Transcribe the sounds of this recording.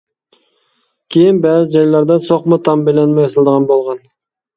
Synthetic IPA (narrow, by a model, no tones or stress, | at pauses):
kʲʰejɪnbæzd͡ʒɑjlˠɑɾd̪ɑsoqmət̪ʰɑmbilʲɑnmɑjɑsɑlˠd̪əʁɑnbolˠʁɑn